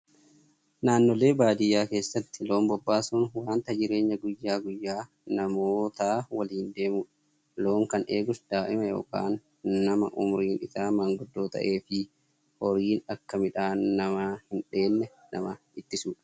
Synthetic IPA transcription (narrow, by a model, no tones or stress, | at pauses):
naːnːɔle̞ːbaːd̪ɪjaːke̞ːsːɐt̪ːɪlo̞ːmbɔbːaːsʊnwaːnt̪ɐd͡ʒɪɾe̞ːɲːɐɡʊjːaːɡʊjːaː | nɐmoːt̪aːwɐliːnd̪e̞ːmuːᶑɐ̥ | lo̞ːŋkɐneːɡʊsd̪̥aːʔɪmɐjo̰ːka̰ːnː | ɐmɐ̰ʔʊ̰mɾiːnɪt̪aːmɐŋɡʊd̪ːoːt̪ɐ̰ʔe̞ːfɪ | hɔɾiːnɐkːɐmɪᶑaːnːɐmahɪnᶑe̞ːnːɛ | nɐ̰mɐ | ɪt̪ːɪsuːᶑɐ̥